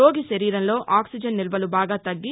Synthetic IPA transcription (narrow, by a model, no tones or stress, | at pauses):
o̞ːɡiʃɐɾiːɾɐnlo̞ːʔaːksid͡ʒɐnːilɐbɐlubaːɡaːt̪ɐɡːi